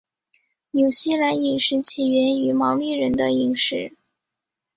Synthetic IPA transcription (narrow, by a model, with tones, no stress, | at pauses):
njo˨˩ʊɕi˥˩la˧˥ni˨˩ŋʂɻ̩˧˥t͡ɕʰi˨˩ɥɛ˧˥ny˧˥mɑ˧˥ʊli˥˩ɻə˧˥nd̪ə˧i˨˩ŋʂɻ̩˧˥